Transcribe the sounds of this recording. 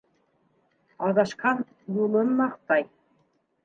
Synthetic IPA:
ɑðɑʃkɑn | julˠɤ̆nmɑχt̪ɑj

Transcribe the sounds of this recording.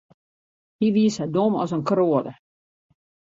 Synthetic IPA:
hiʋiəshɛdomɔ̰sənkroːədə̰

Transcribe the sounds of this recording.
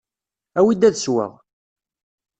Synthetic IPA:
æwid̪æðswə̰ʁ

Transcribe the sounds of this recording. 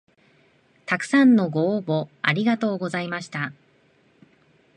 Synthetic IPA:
t̪akɯ̟̥sãnːo̞ɡoːbo̞aɾʲiɡat̪o̞ːɡo̞zaimaɕi̥t̪a

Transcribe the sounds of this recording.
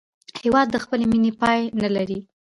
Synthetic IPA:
hewɑd̪ːəxpəleminepɑjnalaɾi

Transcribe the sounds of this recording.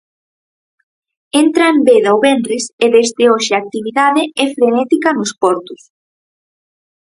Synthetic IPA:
ent̪ɾaembeðawβɛnɾɪseðezd̪ɪoʃeak̚t̪iβiðaðɪɛfɾenɛt̪ikɐnʊspɔɾt̪ʊs

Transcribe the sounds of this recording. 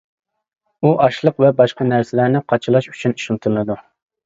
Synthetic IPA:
uʔɑʃlˠəqvɛbɑʃqɑnæɾsɪlæɾnɪqʰɑt͡ʃʰɨlˠɑʃy̥t͡ʃʰyniʃunt̪ʰɨllˠɨd̪u

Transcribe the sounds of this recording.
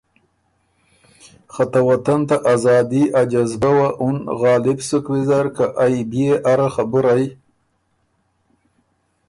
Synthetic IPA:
χat̪awat̪ant̪aʔazɑːd̪iʔad͡ʒazbawaʔʊnɣɑːlɪbsʊkwɪzaɾkaʔajbijeʔaɾaxabʊɾaj

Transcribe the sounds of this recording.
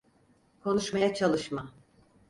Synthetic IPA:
kʰo̞nuʃmajat͡ʃʰalˠɯʃma

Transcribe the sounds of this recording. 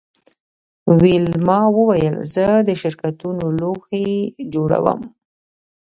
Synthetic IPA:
wilmɑwəwajəlzəd̪əʃɪɾkat̪unoloxed͡ʒoɽa̰wə̰m

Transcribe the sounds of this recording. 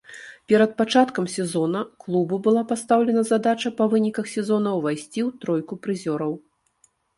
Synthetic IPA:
pʲɛɾɐt̪̚pat͡ʂat̪kɐmsʲɛzɔnɐklˠububɨlˠapast̪awlʲɛnɐzad̪at͡ʂɐpɐvɨnʲikɐxsʲɛzɔnɐwvajsʲt͡sʲiwt̪ɾɔjkupɾɨzʲɔɾɐw

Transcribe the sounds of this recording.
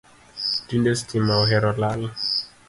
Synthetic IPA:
d̥indestʰimawɦɛɾɔlal

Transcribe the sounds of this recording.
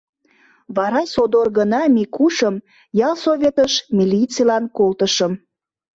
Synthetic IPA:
βɑɾɑjsod̪orɣənɑmikuʃəm | jɑlˠsoβʲet̪əʃmʲilʲit͡silɑnkolt̪əʃəm

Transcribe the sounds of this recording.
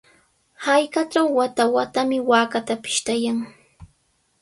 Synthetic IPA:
hajkat͡ʃawːat̪awat̪amɪwaːkat̪apɪ̥ʃt̪ajaŋ

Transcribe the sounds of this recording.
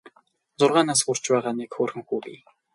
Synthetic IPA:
t͡sʊrʁaːnaːs̬xʊr̥t͡ɕpæːʁaːnikxoːrxɘ̆ŋxuːɣḭː

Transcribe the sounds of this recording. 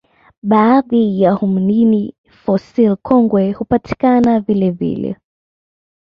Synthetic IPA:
ɓaːðijahumnini | fɔsilkʰɔŋɡwɛhupatʰi̥kanavilɛvḭlɛ̰

